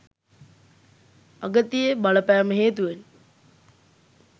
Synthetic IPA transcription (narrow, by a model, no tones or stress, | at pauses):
aɡət̪ijəbaləpæːməɦeːt̪uʋen